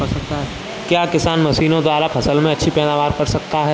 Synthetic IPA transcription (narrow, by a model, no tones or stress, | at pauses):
ɐɾsɐk̚t̪aɦɛ | kjaːkɪsaːnmɐsiːnõd̪waːɾapʰɐsəlmẽɐtːʃʰipɛːd̪aːʋaːɾpɐɾsɐk̚t̪aɦɛː